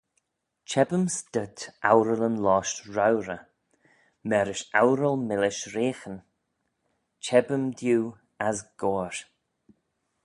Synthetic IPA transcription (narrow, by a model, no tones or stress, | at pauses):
t͡ʃʰɛbəmstətawɾələnlɔːʃtɹawɾə | mɛɾɪʃawɾəlmɪlɪʃɾeːxən | t͡ʃʰɛbəmd̪juː | asɡ̥oːɹ